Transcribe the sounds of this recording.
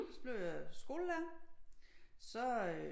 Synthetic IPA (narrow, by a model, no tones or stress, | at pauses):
sɒb̥le̝ʊ̰jɑsɡ̥o̝ːləlæ | sɒ̽